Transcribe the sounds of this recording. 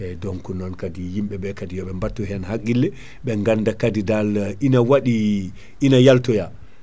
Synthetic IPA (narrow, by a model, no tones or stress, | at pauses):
ɛdɔŋkunɔnkadijimɓɛɓɛkadijɔɓɛmbatːuɦɛnɦaɡːilːɛ | ɓɛŋɡandakadidalinawaɗi | inajaltɔja